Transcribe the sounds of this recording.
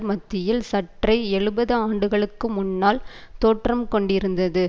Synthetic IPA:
mɐt̪ːɪjɪlsɐʈrɐɪɛɻɯbɐðɯaːɳɖɯɣɐɭɯkːɯmʊnːaːlt̪oːʈrɐmkɔɳɖɪɾɯnd̪ɐðɯ

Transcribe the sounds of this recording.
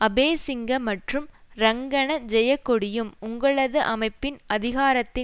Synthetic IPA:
ɐbeːsɪŋɡɐmɐʈrɯmɾɐŋɡɐɳɐd͡ʒɛjɐkːɔɽɪjɯmʊŋɡɐɭɐðɯʔɐmɐɪpːɪnɐðɪɣaːɾɐt̪ːɪ

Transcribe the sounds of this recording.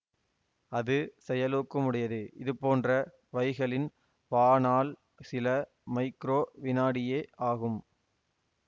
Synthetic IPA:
ɐðɯsɛjɐloːkːɐmʊɽɪjɐðɯʔɪðɯpːoːndrɐ | ʋɐɪɣɐɭɪn | paːnaːl | sɪlɐ | mɐɪkɾoːʋɪnaːɽɪjeːʔaːɣɯm

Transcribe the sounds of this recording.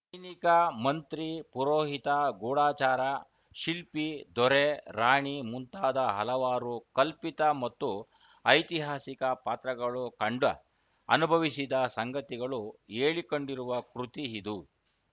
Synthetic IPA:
ɐjnikɐmɐnt̪ɾipuɾoːɦit̪ɐɡuːɽaːt͡ʃaːɾɐ | ʃilpid̪ɔɾeɾaːɳimunt̪aːd̪ɐɦɐlɐʋaːɾukɐlpit̪ɐmɐt̪ːu | ɐjt̪iɦaːsikɐpaːt̪ɾɐɡɐɭukɐɳɖɐ | ɐnubʱɐʋisid̪ɐsɐŋɡɐt̪iɡɐɭueːɭikoɳɖiɾuʋɐkɾut̪iid̪u

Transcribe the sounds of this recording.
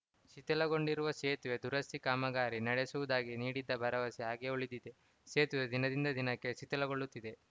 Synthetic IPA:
ʃit̪ɐlɐɡo̞ɳɖiɾuʋɐʃeːt̪uʋed̪uɾɐst̪ikaːmɐɡaːɾinɐɽesuʋud̪aːɡiniːɽid̪ːɐbʱɐɾɐʋɐsiaːɡeuɭid̪id̪e̞ | ʃeːt̪ʋed̪inɐd̪ind̪ɐd̪inɐkːe̞sit̪ɐlɐɡoɭːut̪ːid̪e̞

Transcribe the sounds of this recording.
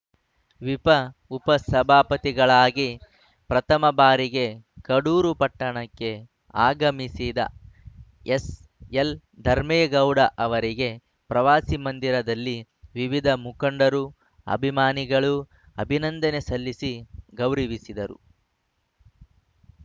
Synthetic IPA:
ʋipɐupɐsɐbʱaːpɐt̪iɡɐɭaːɡi | pɾɐt̪ʰɐmɐbaːɾiɡe̞kɐɽuːɾupɐʈːɐɳɐkːe̞ | a̰ːɡɐmisiːd̪ɐ̰ | es | el | d̪ʱɐɾmeːɡɐwɽɐʔɐʋɐɾiɡe̞ | pɾɐʋaːsimɐnd̪iɾɐd̪ɐlːi | ʋiʋid̪ʱɐmukɐɳɖɐɾu | ɐ̰bʱimaːniɡɐɭu | ɐbʱinɐnd̪ɐne̞sɐlːisiɡɐwɾiʋisid̪ɐɾṵ

